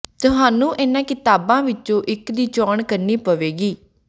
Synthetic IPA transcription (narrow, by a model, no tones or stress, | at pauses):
t̪ʊɦaːnũːʔɪnãːkɪt̪aːbãːʋɪt͡ʃõːʔɪkd̪iːt͡ʃɔːɳkəɾniːpəʋeːɡiː